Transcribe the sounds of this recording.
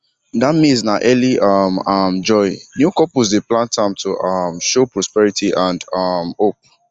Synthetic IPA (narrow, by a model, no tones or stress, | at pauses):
damĩznaʔɛliʔʌmʌmd͡ʒɔɪnjukɔpuzdeplãntʰãmtʰuʔʌmʃopɹɔspɛɹitʰiʔãndʌmhop̚